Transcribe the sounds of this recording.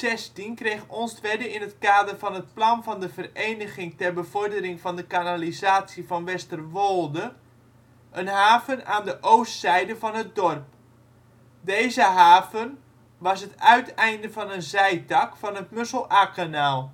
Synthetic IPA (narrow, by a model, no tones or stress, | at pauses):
sɛstinkrejxɔnstʋɛdəɪnətkaːdərfɔnət̚plɑnvɔndəvərejnəɣɪŋtɛrbəvɔrdərɪŋfɔndəkanalizaːsjifɔnʋɛstərʋoːlˠdə | ʔənɦaːvənaːndəʔowstsɛjdəvɔnɦət̚dɔrp̚ | dejzəɦaːvən | ʋɑsətœɥtɛjndəvɔnənzɛjtɑkfɔnətmøsəlˠaːkanaːlˠ